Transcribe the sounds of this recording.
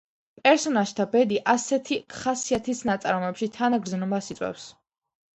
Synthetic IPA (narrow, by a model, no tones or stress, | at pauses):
pʼɛɾsɔnaʒt̪ʰabɛd̪iʔasɛt̪ʰiχasiat̪ʰisnat̪sʼaɾmɛpʃit̪ʰanaɡɾd̪znɔmasit̪sʼwɛ̰fs